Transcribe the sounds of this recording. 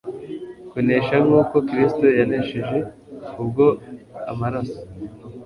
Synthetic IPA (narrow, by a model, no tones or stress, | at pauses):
kone̞ʃaŋɡuːko̞kɾisto̞janeʃeʒe̞ | ub̚ɡo̞amaɾaso̥